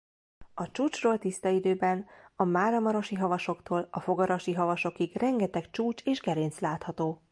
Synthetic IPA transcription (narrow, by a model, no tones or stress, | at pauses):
ɒt͡ʃuːt͡ʃroːlt̪ist̪ɒid̪øːbɛnɒmaːɾɒmɒɾo̞ʃiɦɒvɒʃo̞kt̪oːlɒfo̞ɡɒɾɒʃiɦɒvɒʃo̞kiɡrɛŋɡɛt̪ɛkt͡ʃuːt͡ʃeːʒɡɛɾeːnt̪slaːt̪hɒt̪oː